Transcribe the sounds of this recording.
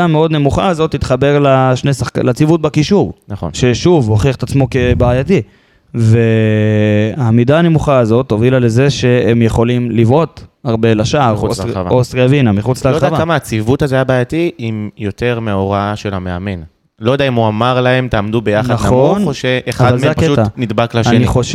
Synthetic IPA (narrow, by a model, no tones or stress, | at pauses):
ameo̞d̪ne̞muχaːzo̞t̪ːit̪χabe̞ʁlaʃnesaχka̰lat͡sivut̪̚bakiʃuʁnaχonʃe̞ʃuvhoχiaet̪at͡smo̞kebaːjati | ve | amidaːne̞muχaːzo̞t̪ːo̞vilale̞ze̞ʃe̞emjeχo̞limlivot̪aʁbe̞laʃaʁovaosʁiavinamiχut͡slealavakːamaat͡sivut̪azeajabaːjatiimjote̞ʁmeoʁaaʃelameame̞n | lojdaimoamaʁlaemt̪aːmdubejaχnaaχonoʃeʔeavaaleapkeutanid̪baklaʃniχoʃ